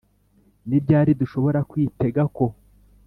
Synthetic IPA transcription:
nibɟaːɾiduʃo̞βo̞ɾakwiːte̞ɡako̞

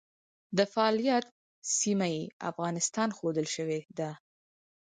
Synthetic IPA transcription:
d̪əfaɑlijat̪̚ | simajea̰fɣɑnɪst̪ɑnxod̪əlʃəwed̪a

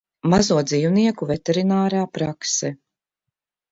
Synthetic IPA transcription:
mazuɔd̪ziwniɛkuvɛt̪ɛɾinaːɾaːpɾaksɛ

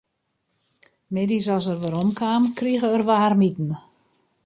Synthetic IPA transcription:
medisɔs̬ərʋəɾomkʰaːmkriɣəərʋaːrmitn̩

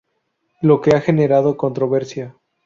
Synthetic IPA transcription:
lo̞ke̞axe̞ne̞ɾað̞o̞ko̞nt̪ɾo̞βe̞ɾsja

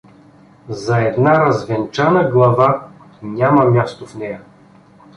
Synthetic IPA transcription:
zɐɛd̪naɾɐzvɛnt͡ʃanəɡlˠɐva | nʲamɐmʲjast̪ofnɛjɐ

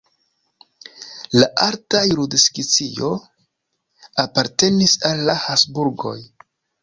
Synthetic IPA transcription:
laʔaltajɾudskit͡sio̞ | apaɾte̞nisalːahasbuɾɡo̞̰j

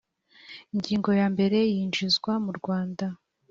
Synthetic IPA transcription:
iɲɟiːŋɡo̞jaːmbe̞ɾe̞jiːnd͡ʒizɡwamuɾɡwaːnda

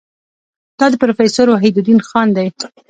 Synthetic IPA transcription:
d̪̥ɑd̪əpɾofesoɾwaɦid̪ʊd̪inxɑnd̪aj

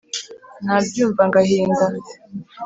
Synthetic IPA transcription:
nabjuːɱvaŋɡahiːŋɡa

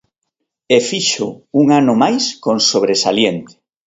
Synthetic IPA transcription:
efiʃʊuŋanʊmajskõnsoβɾesaljent̪e̥

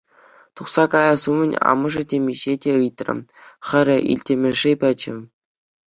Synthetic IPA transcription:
t̪uχsɑkɑjɑsumʲɘ̆nʲɑ̰mɤ̆ʐɘ̆dʲemʲiʑedʲeɯjt̪ʲrʲɘ̰̆mχʲɘ̆ɾʲɘ̆ʔḭlʲtʲĕmʲɘ̆ʐepʲɘ̆t͡ɕɘ̰̆

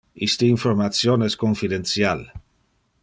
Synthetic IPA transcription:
ist̪eiɱfoɾmasjoneskoɱfiðensjal

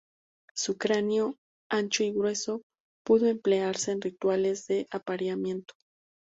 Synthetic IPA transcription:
sukɾanjo | ant͡ʃoiɣɾwe̞so̞ | puðo̞e̞mple̞aɾse̞ːnrit̪wale̞zðe̞ʔapaɾjamje̞nt̪o̥

